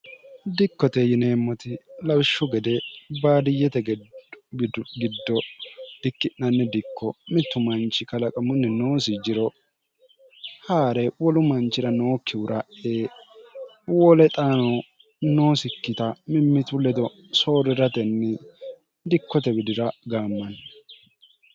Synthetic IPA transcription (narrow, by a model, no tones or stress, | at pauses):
d̪ɪkːɔt̪ɛjɪne̞ːmːɔt̪ɪlɐwɪʃːʊɡɛd̪ɛbaːd̪ɪjːɛt̪ɛɡ | ɡɪd̪ːɔd̪̥ɪkːɪʔːɐnːɛd̪ɪkʰːɔmɪt̪ːʊmɐnt͡ʃːɪkɐlɐkʼɐmʊnːɛnoːsɪd͡ʒɪɾɔ | haːɾɛwɔlʊmɐnt͡ʃːɪɾɐno̞ːkːɪʊɾʔɐʔeː | wɔːlɛt̪ʼaːnɔ | noːsɪkːɪt̪ɐmɪmːɪt̪ʊlɛd̪ɔ | soːɾɪɾɐt̪ɛnːɛ | d̪ɪkːɔt̪ɛbɪd̪ɪɾɐɡaːmːɐn